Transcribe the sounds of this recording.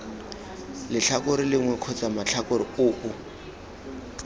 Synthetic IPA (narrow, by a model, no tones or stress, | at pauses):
lɪɬʰakʼʊɾɪlɪŋwɛkʰɔt͡samaɬʰakʊɾɪʊːʔʊ